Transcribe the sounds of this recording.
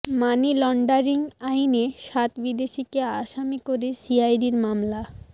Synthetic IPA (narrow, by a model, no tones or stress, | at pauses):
manilɔɳɖaɾiŋajneʃat̪bid̪eʃikeaʃamikoɾesiajɖiɾmamla